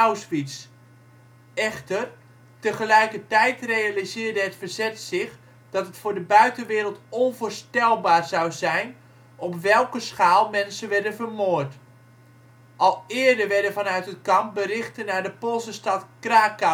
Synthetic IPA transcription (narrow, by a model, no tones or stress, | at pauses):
awsfits | ɛχtər | təχəlɛjkətɛjtrejalizɪːɹdəɦətfərzɛtsɪχ | d̥ɑtətfʊːɹdəbœɥtəʋɪːɾəlˠtɔnvʊːɹstɛlˠbaːrzawzɛjn | ɔpʋɛlˠkəsχaːlˠmɛnsəʋɛɹdənvərmoːɹt | ʔɑlˠɪːɹdəɹʋɛɹdəvɑnœɥtɦət̚kɑmp̚bərɪχtənaːɹdəpolˠsəstɑtkraːka